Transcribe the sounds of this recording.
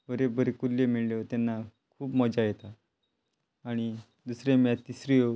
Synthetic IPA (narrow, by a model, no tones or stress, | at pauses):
bəɾebəɾekulːemiɭlet̪anːa | kʰuːpmɔd͡ʑajet̪a | ɽ̃i | d̪usɾemat̪ːisɾio